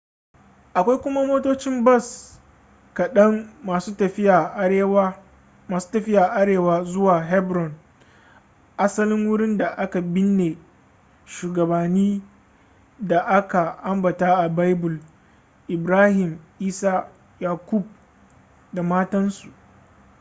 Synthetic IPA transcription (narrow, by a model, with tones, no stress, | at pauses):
ʔa˨kʷa˦jkʷʊ˦ma˦moː˦toː˦t͡ʃɪ˦mbɐ˦˨s | kɐ˨ɗɐ˦ŋmaː˨suː˦tɐ˨ɸɪ˦ja˨ʔe˦w | maː˨su̥ː˦tɐ˨ɸɪ˦ja˨ʔa˦ɽeː˨waː˦zʊ˦waː˨ɦɛ˦bɾɔ˨n | ʔa˦sɐ˦lɪ˦ŋwʊ˦ɽɪ˦nda˨ʔa˦ka˨bɪ˦nːe˨ | ʃuː˨ɡɐ˨baː˨niː˦ | da˨ʔa˦ka˨ʔa˦mbɐ˨taː˦ʔa˨ba˦jbʊ˨l | ʔɪ˨bɾaː˦hɪ˨mʔiː˦saː˦ | jaː˨kʷʊ˦˨b̚ | da˨maː˦tɐ˦nsu˨ʔ